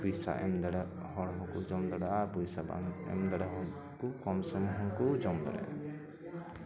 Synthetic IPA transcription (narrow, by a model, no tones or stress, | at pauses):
ujsa̰ʔɛmd̪aɽa | hɔɽɦɔ̃kud͡ʒɔmd̪ɔɽabujsaba̰nɛ̰md̪aɽaɦɔ | kukɔmsɔmɦɔkud͡ʒɔmd̪ɔɽɛ̰